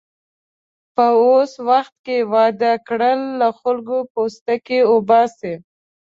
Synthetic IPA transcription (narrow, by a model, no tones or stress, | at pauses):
pəoswaxt̪̚kewɑd̪akɽəlːaxʊlɡopost̪akeʊbɑse